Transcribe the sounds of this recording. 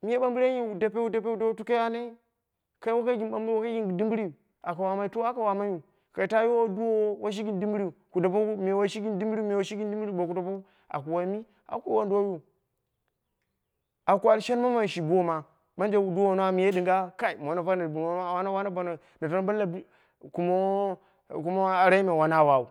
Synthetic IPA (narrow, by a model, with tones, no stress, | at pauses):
mi˦je˦ɓa˦mbi˦ɾji˦u˨dpe˦u˦da˦p̬e˦u˦da˦u˦tu˦ka˦ja˦ne˦ | ka˨˦i˦wa˦ka˦ɡʲi˨nba˦mbwa˦ka˦ɡi˦n˨di˦mbi˦ɾi˦˨ | a˨ka˨wa˨ma˦i˦to˦a˦ka˨wa˨ma˦ju˦˨ | ka˨i˨ta˦jo˦o˦du˦wo˦wa˦ʃ̬i˦ɡi˦ndi˦mbi˦ɾi˦˨ku˨da˨po˦me˨wa˦ʃi˦ɡi˦ndi˦mbɾi˦me˨wa˦ʃi˦ɡi˦ndi˦mbɾi˦˨bo˨ku˨da˨pa˦ | a̰˨ku˨wa˨˦mi˦ | a̰˨˦kʷu˦wa˦ndo˦ju˦ | a˨ku˨a˨lʃe˦n˦ma˦ma˨ʃi˨bu˦o˦ma˨ | ma˦nd͡ʒe˦˨du˦o˦˨no˦a˨mi˨je˦di˨ŋɡa˦ka˦i˨m˨o˨na˨fa˦na˨bu˨n˨o˦a˦˨wa˦na˦wa˦na˦ba˨na˨ | na˨to˦n˦ba˦la˨b | ku˨mo˦˨ | ku˦mo˦a˨ɾa˦i˦me˨wa˨na˦˨wa˨u˨